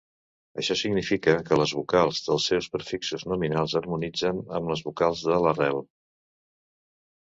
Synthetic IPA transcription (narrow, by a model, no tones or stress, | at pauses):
əʃɔsiɡnifikəkələzβukalˠzðəlˠsːɛwspəɾfiksuznuminalˠzəɾmunid͡zənə̰mləzβukalˠzðələrɛlˠ